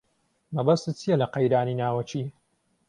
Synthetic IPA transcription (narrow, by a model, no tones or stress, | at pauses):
mɐbɐst̪ɨt͡sʰijɛlɐqɐjɾaːninaːwɐt͡ʃiː